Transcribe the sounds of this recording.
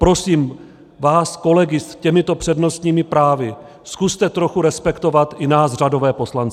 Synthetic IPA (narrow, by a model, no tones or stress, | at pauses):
pɾo̞siːm | vaːsko̞lɛɡɪscɛmɪt̪o̞pr̥ɛdno̞st̪ɲiːmɪpɾaːvɪ | skust̪ɛt̪ɾo̞xuɾɛspɛkt̪o̞vat̪ɪnaːzr̝ado̞vɛːpo̞slant͡sɪ